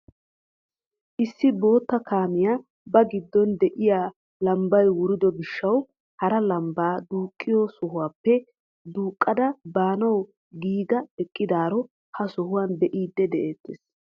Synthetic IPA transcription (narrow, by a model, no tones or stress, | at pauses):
ʔɪsːɪbo̞ːt̪ːɐkaːmɪja | bɐɡɪd̪ːɔnd̪ɛʔɪjaː | lɐmbɐjwʊɾɪd̪ɔɡɪʃːɐw | hɐɾɐlɐmbaːd̪uːkʼːɪjɔsɔɦʊwaːpːɛ | d̪uːkʼːɐd̪ɐbaːnɐw | ɡiːɡɐɛkʼːɪd̪aːɾɔ | hɐsʊhʊwand̪ɛʔiːd̪ːɛd̪ɛʔeːt̪ːeːs